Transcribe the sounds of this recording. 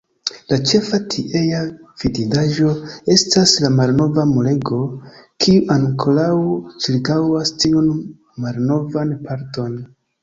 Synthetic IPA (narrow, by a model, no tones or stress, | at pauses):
lat͡ʃe̞fatʰiʔejav̥ididaʒo̞e̞staslamalno̞vamole̞ɡo̞kʰiuʔaŋkʰolawt͡ʃiɾkawastiun | malno̞vanpaɾto̞n